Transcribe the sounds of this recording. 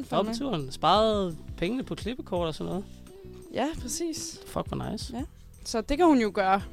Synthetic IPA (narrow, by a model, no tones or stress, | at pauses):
ɒ̽b̥ət͡sʰuɐ̰nsb̥ɑ̈ːð̩ˠpʰeŋənəpʰɒ̽kʰle̝b̥əkʰɒːd̥ɒsɒ̽nːɔ̽ːð̩ˠ | jæpʰʁɛsḭːsfɒ̽ɡ̥ʋɑnɑ̈ɪs | sɒ̽d̥e̝kʰæhunjo̝ɡ̥ɶːɐ